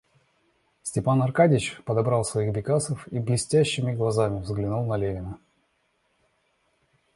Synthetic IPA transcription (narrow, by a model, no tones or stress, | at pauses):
sʲtʲɪpanɐrkadʲɪt͡ɕpəd̪ɐbɾɑlˠsvɐiɣbʲɪkasəfiblʲɪsʲtʲæɕːɪmʲɪɡlˠɐzamʲɪvzɡlʲɪnulˠnɐlʲevʲɪnə